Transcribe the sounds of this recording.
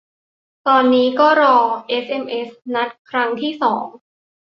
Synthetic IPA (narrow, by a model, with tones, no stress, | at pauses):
t̪ɔː˧nːiː˦˥kɔː˥˩ɾɔː˧ʔe˦˥sʔe˧mʔe˦˥sna˦˥t̪̚kʰɾa˦˥ŋt̪ʰiː˥˩sɔː˩˦ŋ